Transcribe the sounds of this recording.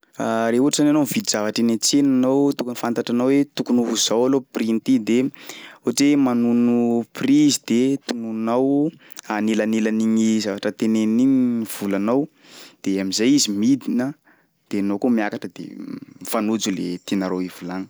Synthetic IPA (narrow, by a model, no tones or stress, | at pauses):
aɾeuaʈ͡ʂzananomivid̪iz̥avaʈ͡ʂinet͡senanowt̪ukunfant̪aʈ͡ʂanawet̪ukunuɦuzawaloprint̪id̪euaʈ͡ʂemanunuprizid̪et̪ununaw | anelanelaniɲizavaʈ͡ʂət̪eneniɲiv̥ulanaw | d̪̥eamizajizimid̪inə | d̪̥enokomjakaʈ͡ʂəd̪ḛmifanud͡zulet̪enaɾoivulaŋə̥